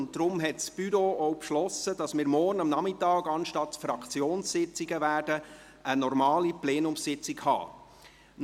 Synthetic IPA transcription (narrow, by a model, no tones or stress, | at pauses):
ntd̥ɾʊmɦɛtsb̥yɾoːɔwpʃlɔsəd̥ɑsmɪːɾmɔːrnɑmnɑmɪtɑːɡɑnʃtɑtfɾɑkʰt͡sjoːnssɪt͡siɡəvæːɾdə | ənɔɾmɑːliplɛːnʊmssɪt͡sɪkhɑ̰ː | n